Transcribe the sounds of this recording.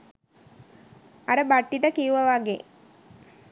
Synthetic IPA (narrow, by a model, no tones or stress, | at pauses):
ɐɾəbaʈːiʈəkijuʋɐʋaɡḛ